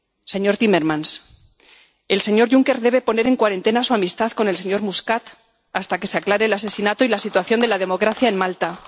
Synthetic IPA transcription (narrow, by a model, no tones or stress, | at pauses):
se̞ɲo̞ɾt̪ime̞ɾmãns | e̞lse̞ɲo̞ɾʝuŋke̞ɾðe̞β̞e̞po̞ne̞ɾe̞ŋkwaɾe̞nt̪e̞nasuamist̪aðko̞nelseɲo̞ɾmuskat̪ | ast̪ake̞seaklaɾe̞ːlas̬e̞sinat̪oilasit̪waθjo̞nd̪e̞laðe̞mo̞kɾaθjaenmalt̪a